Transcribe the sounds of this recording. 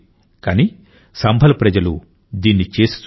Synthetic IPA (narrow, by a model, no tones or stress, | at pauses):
kaːni | sɐmbʱɐlɐpɾɐd͡ʒɐlṵ | d̪iːnːit͡ʃeːsu̥s